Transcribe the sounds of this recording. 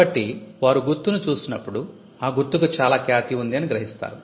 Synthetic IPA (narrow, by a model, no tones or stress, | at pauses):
ɐʈːiʋaːɾuɡuɾt̪ːunut͡ʃuːsinɐpːuɽu | aːɡuɾt̪ːukut͡ʃaːlaːkjaːt̪iund̪iɐniɡɾɐɦist̪a̰ːɾu